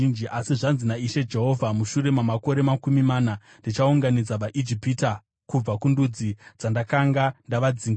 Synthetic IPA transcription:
ind͡ʒiʔasiʐanzinaiʃe̞d͡ʒe̞ɦo̞vʱamuʃuɾe̞mamako̞ɾe̞makumimaːna | ndit͡ʃauŋɡanid͡zaʋaʔid͡ʒipita | kub͡vakundud͡zid͡zandakaŋɡandaʋad͡ziŋɡ

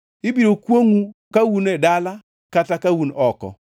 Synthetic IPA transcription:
ɪbiɾokwoŋukawunɛdala | katakawunɔkɔ̰

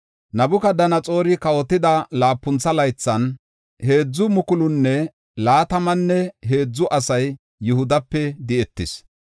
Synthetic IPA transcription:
nɐbʊkɐd̪ɐnɐt͡sʼo̞ːɾɪkɐwɔt̪ːɪd̪ɐlaːpːʊnt͡sːɐlɐjt͡sːɐn | he̞ːd͡zːʊmʊkʊlʊnːɛ | laːt̪ɐmɐnːɛɦe̞ːd͡zːʊʔɐsɐjː | ʊhʊd̪ɐpːɛd̪ɪɛt̪ːɪs

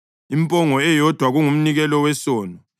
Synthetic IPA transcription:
impʼɔŋɔɛjɔd̥ʱwaɣuŋum̩niɣɛlɔwɛsɔːnɔ

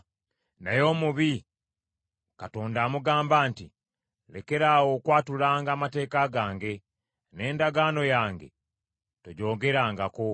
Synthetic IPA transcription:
najo̞ːmuβi | kato̞ːndaːmuɡaːmbaːnti | le̞̰ke̞ɾawo̞kwaːtulaːŋɡaːmate̞ːkaɡaːŋɡe̞ | ne̞ːndaɡaːno̞jaːŋɡe̞̰ | toɟo̞ːɡe̞ɾaːŋɡako̞

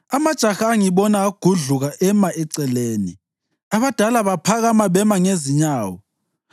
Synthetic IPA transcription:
amad̥ʒ̥ʱaxaːŋiβɔnaːɡ̥ʱuɮuɣaʔɛmaɛǀɛleːnḭ | aβad̥ʱalaβapʰaɣamaβɛmaŋeziɲaːwɔ

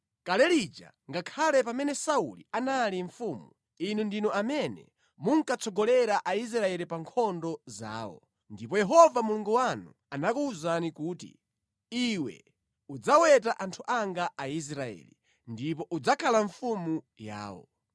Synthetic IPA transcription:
kalɛlid͡ʒa̰ | ŋɡakʰalɛpamɛnɛsaṵlḭanaliɱfumu | inundinɔʔamɛnɛ̰ | muŋkat͡sʰɔɡɔlɛɾaʔais̬ɾaɛlipaŋkʰɔndɔza̰ːwɔ̰ | ndipɔjɛɦɔvamuluŋɡuwanu | anakuːzanikuːtḭ | iwɛ̰ | ud͡zawɛtaʔantʰuʔaŋɡaais̬ɾaɛ̰li | ndip̬ɔʔud͡zakʰalaɱfumu | ja̰ːwɔ̰

